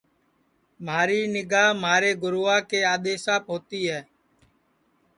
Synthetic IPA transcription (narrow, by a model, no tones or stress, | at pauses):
maːɾiːnɪɡaːɦmaːɾeːɡʊɾoːaːkeːaːɗ̪eːsaːpɦoːt̪iːɦɛː